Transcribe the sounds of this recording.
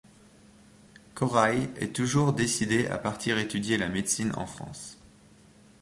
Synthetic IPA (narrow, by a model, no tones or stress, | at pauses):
kʰɔʁajɛ̰t̪uʒuʁd̪esid̪eʔa̰paʁt̪ʰiʁet̪yd̪jelamed̪sinɑ̰̃fχɑ̰̃s